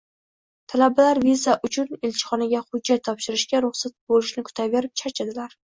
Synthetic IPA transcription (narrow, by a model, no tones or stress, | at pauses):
t̪ʰalabalaɾvizaʔʊt͡ʃʰʊnelt͡ʃʰɪ̥χɒnaɡʲahʊd͡ʒːat̪ʰːɒpʃɪɾɪʃkʲaɾʊχsat̪̚bolɪʃnɪkʰʊ̥t̪ʰaveɾɪp̚t͡ʃʰaɾt͡ʃʰad̪ɪlaɾ